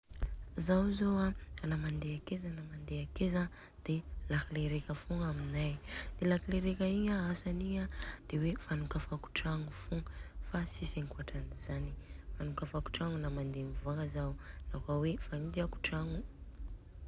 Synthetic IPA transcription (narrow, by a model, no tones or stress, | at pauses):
zawzoaanamand̪eakezanamand̪eakeza | d̪̥elakileɾekəfuŋaminajd̪̥elakileɾekəiɲaasaniad̪̥ewefanukafaku̥ʈ͡ʂaŋufuŋəfasiseŋkuaʈ͡ʂaniz̥anifanukafaku̥ʈ͡ʂaŋunamand̪emivuakazaunakawefaind͡ʒiaku̥ʈ͡ʂaŋu